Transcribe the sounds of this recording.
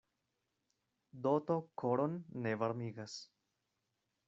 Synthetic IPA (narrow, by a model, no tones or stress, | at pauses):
d̪ot̪okʰoɾonːevaɾmiɡas